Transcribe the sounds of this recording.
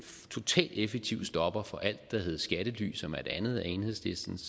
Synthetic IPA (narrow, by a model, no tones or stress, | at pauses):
t͡sʰo̝t͡sʰɛ̰ːld̥efeɡ̥̚t͡sʰiʊd̥sd̥ɒ̽b̥ɐfɒ̽ʔæl̰d̥ːɑ̈ɦeð̞̩ˠsɡ̥æɾ̥əly̰ːsɒ̽mæe̝d̥ænð̞̩ˠæe̝nhḛsle̝sd̥n̩s